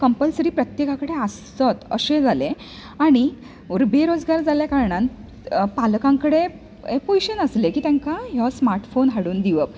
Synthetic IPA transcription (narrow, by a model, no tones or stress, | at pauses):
kəmpəlsɾiːpɾət̪jekakəɽeas | t̪ət̪ə̰ɕẽd͡zʱale | aɽ̃i | uɾbeɾod͡zɡaɾd͡zaljakaɾɳan | palkãŋkəɽe | epoiɕənəslekiːt̪jãŋkaɦɔsmaɾʈfonɦaɽuːnd̪iʋəp